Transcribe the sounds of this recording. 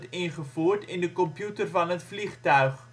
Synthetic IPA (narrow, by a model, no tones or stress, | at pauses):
tɪnχəfuːrtɪndəkɔmpjutərfɐnɦətfliχtœɥχ